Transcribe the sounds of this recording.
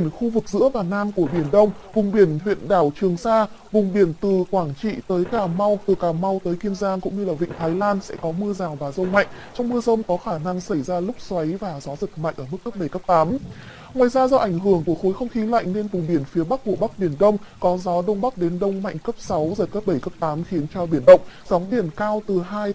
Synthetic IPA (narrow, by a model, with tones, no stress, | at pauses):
ənxu˧vɨ˨˩k̚zɨ̰˧˥əvaː˨˩naː˧mku˧˩əɓi˧˩ənɗə˧wŋ͡m | vʊ˨˩ŋ͡mɓi˧˩ənhwḭ˧˨ənɗaː˧˩wt͡ɕɨ˨˩əŋsaː˧vʊ˨˩ŋ͡mɓi˧˩ənt̪ɨ˨˩kwaː˧˩ŋt͡ɕḭ˧˨t̪əː˨˦jkaː˧˩ma˧wt̪ɨ˨˩kaː˧˩ma˧wt̪əː˨˦jki˧əmzaː˧ŋkʊ̰˧˥ŋ͡mɲɨ˧laː˨˩vḭ˧˨ŋ̟t̪ʰaː˨˦jlaː˧nsɛ̰˧˥kɔ˨˦mɨ˧əzaː˨˩wvaː˨˩zə˧wŋ͡mma̰˧˨jŋ̟t͡ɕɔ˧wŋ͡mmɨ˧əzə˧wŋ͡mkɔ˨˦xaː˧˩na˧ŋsa˧˩jzaː˧lʊ˦˥k͡p̚swa˨˦jvaː˨˩zɔ˨˦zɨ˨˩k̚ma̰˧˨jŋ̟ʔəː˧˩mɨ˦˥kːə˦˥p̚ɓə˧˩jkə˦˥p̚t̪aː˨˦m | ŋwaː˨jzaː˧zɔ˧ʔa˧˩ŋ̟ɦɨ˧˩əŋku˧˩əxo˨˦jxə˧wŋ͡mxi˨˦la̰˧˨jŋ̟ne˧nvʊ˨˩ŋ͡mɓi˧˩ənfi˨˦əɓa˦˥k̚vo̰˧˨ɓa˦˥k̚ɓi˧˩ənɗə˧wŋ͡mkɔ˨˦zɔ˨˦ɗə˧wŋ͡mɓa˦˥k̚ɗe˨˦nɗə˧wŋ͡mma̰˧˨jŋkə˦˥p̚sa˨˦wzəː˨˩kəː˦˥p̚ɓə˧˩jkə˦˥p̚t̪aː˨˦mxi˨˦ənt͡ɕɔ˧ɓi˧˩ənɗə̰˧˨wŋ͡mzɔ˨˦wŋ͡mɗi˧˩ənkaː˧wt̪ɨ˨˩ɦaː˧j